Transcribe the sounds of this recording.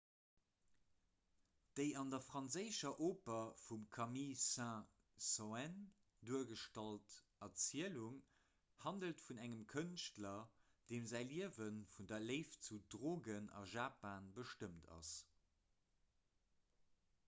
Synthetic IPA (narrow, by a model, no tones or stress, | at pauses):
d̥əɪɑndɐfʁɑnzəɪʃɐʔoːpɐfumkʰɑmisæ̃ | soɛn | duəɡəʃtɑlt | ɑt͡siəluŋ | hɑndəltfunæŋəmkʰənʃtlɐ | d̥eːmzæɪliəvənfundɐleɪft͡sudʁoːɡənɑ̰ʒaːpaːnbəʃtəmtʰɑ̰s